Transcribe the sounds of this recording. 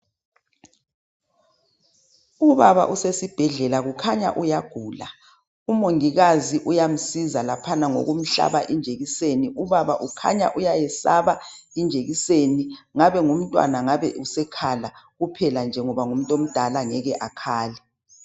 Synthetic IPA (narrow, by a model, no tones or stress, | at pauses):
uβaβa̰ʔusesib̥ʱɛɮɛlaɣukʰaɲa̰ʔujaɡ̥ʱuːla̰ | umoŋiɣaziʔujam̩sizalapʰanaŋo̰ɣum̩ɬa̰βaʔind͡ʒʱeɣiseniuβaβaʔukʰa̰ɲa̰ʔujajɛsaβa | ind͡ʒʱeɣiseniŋaβɛŋum̩tʼwa̰naŋaβɛ̰usɛkʰalaɣupʰɛland͡ʒʱɛŋɔβaŋum̩tʼom̩d̥ʱalaŋɛɣɛʔakʰaːlɛ